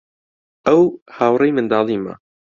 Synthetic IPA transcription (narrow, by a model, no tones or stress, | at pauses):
ɛwhaːwrejmɨnd̪ɑːlˠiːma̰